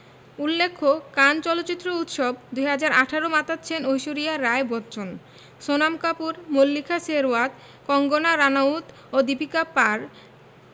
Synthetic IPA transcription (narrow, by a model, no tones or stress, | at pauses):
ulːekʰːokant͡ɕɔlotːt͡ɕit̪ːɾout̪ʃobd̪ujɦad͡ʑaɾaʈʰaɾomat̪atːɕʰenojʃoɾiaɾaebɔtt͡ɕʰon | ʃonamkapuɾmolːikʰaseɾoat̪ | kɔŋɡonaɾanaut̪ | od̪ipikapaɾ